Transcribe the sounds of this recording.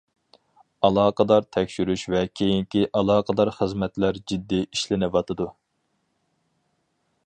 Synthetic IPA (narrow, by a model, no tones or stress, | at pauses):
ɑlˠɑːqəd̪ɑɾt̪ʰɛkʲʃyɾyʃvɛkʲʰejiŋkʲiʔɑlˠɑːqʰəd̪ɑɾχəzmɛt̪læɾd͡ʒid̪ːiiʃlɪnɪvɑt̪ʰɨd̪u